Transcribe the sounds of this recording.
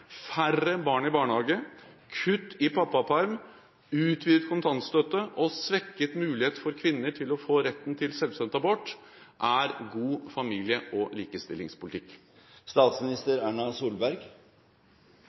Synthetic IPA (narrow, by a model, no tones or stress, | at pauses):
færəbɑːɳɪbɑːɳhɑːɡəkʰʉt̪ːɪpʰɑpːɑpʰɑɾm | ʉːt̪ʰʋiːd̪ət̪kʰʊnt̪ʰɑnt̪st̪œt̪ːəʔɔsʋɛkːət̪mʉːlɪheːt̪fɔɾkʰʋɪnːəʈʰɪlɔfoːɾɛt̪ːn̩t̪ʰɪlsɛlʋst̪œnt̪ɑbɔʈ | ʔæɾɡuːfɑmiːlɪəʔɔliːkəst̪ɪ̰lːɪ̰ŋspʊlɪt̪ɪkː | st̪ɑːt̪smɪnɪst̪əɾæːɳɑsuːlbæɾɡ